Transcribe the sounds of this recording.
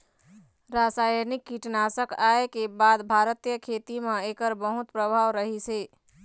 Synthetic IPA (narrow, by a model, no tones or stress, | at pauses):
ɾasajənikːiʈnasəkaekebad̪bʱaɾət̪ijəkʰet̪imẽekəɾbəɦut̪pɾəbʱaːʋɾəɦise